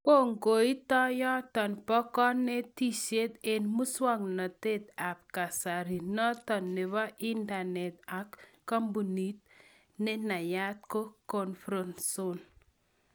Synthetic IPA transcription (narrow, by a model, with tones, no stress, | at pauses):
ko˦ŋɡo˨i˦tɔ˦jɔ˦t̪ɔ˨npɔ˦kɔ˦nɛ˦t̪i˦se˦t̪e˨nmu˦swa˦ŋnɔ˨t̪e˦t̪a˨p̚ka˨sa˨ɾi˨nɔ˦t̪ɔ˨nːe˨βɔ˦ʔi˦nda˨nɛ˨t̪a˨kː | ɔ˦mbu˨ni˦t̪̚ | nɛ˦na˨ja˦t̪̚ko˦kɔ˨nfɾɔ˦nso˦n